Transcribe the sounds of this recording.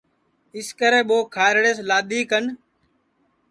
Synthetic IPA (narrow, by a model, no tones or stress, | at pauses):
ɪskəɾẽːɓoːkʰaːɾɽeːslaːd̪iːkən